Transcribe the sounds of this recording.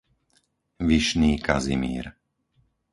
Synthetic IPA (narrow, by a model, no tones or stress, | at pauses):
ʋiʃniːka̰zimḭːɾ